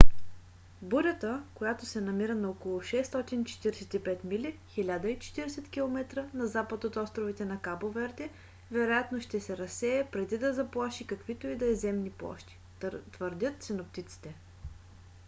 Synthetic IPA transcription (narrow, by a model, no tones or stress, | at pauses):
buɾʲət̪əkojat̪osɛnɐmiɾənɐokolˠʊʃɛst̪ɔt̪int͡ʃɛ̥t̪iɾsɛt̪ipɛt̪milʲixilʲad̪əit͡ʃɛ̥t̪iɾɛsɛt̪kʲilˠomɛt̪ɾənɐzapət̪ot̪ɔst̪ɾovit̪ɛnɐkabovɛɾd̪ɛ | vɛɾojat̪noʃt̪ɛsɛɾɐsɛɛpɾɛd̪id̪ɐzɐplˠaʃikɐkvit̪oid̪ɐɛzɛmniplˠɔ̰ʃt̪i̥ | t̪vəɾd̪ʲət̪̚t̪sɛnop̚t̪it̪si̥t̪ɛ